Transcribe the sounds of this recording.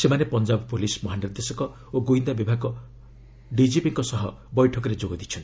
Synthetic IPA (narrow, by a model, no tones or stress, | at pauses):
semanepɔnd͡ʒabɔpulismɔɦaniɾd̪esɔkɔ | oɡoind̪abibʱaɡɔ | ɖid͡ʒipiŋkɔsɔɦɔbɔjʈʰɔk̬ɔɾed͡ʒoɡɔd̪it͡ʃʰɔnt̪i̥